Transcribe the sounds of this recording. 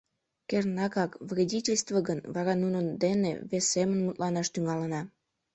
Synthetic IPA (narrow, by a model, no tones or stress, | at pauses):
kernɑkɑkvrʲedʲitʲelʲst̪vəɣənβɑɾɑnunənd̪enḛβesːemənmut̪lɑnɑʃt̪yŋɑlənɑ